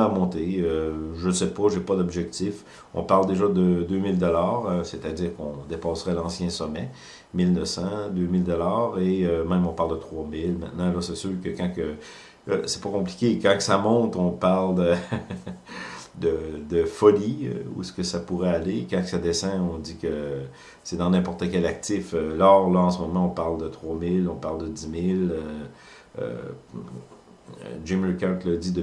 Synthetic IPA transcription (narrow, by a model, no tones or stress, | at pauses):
amɔ̃t̪eøʒəsɛpaʒepad̪ɔbʒɛk̚t̪if | ɔ̰̃paʁld̪eʒɑd̪əd̪øːmild̪ɔlaːʁəset̪ad̪iːʁkɔ̃d̪epaːsʁɛlɑ̃sjɛ̃sɔmɛ | milnəvsɑ̃d̪ømild̪ɔlaːʁeømɛ̃mɔ̃paʁld̪ət̪χwamɪlmɛ̃t̪̚nɑ̃lasɛsyːʁkəkɑ̃kə̰ | sɛpakɔ̃pli̥kʲekɑ̃kə̥samɔ̃t̪ɔ̃paʁld̪ə | d̪əd̪əfɔlḭṵɛskəsapuʁɛalekɑ̃kə̥sad̪esɛ̃ɔ̃d̪ikə | sɛd̪ɑ̃nɛ̃pɔʁt̪əkʲɛlak̚t̪ɪfølɔːʁlʌɑ̃s̬əmɔmɑ̃ɔ̃paʁld̪ət̪χwamɪlɔ̃paʁld̪əd̪imɪlø̰ | d͡ʒɛmʁikat̪ləd̪id̪ə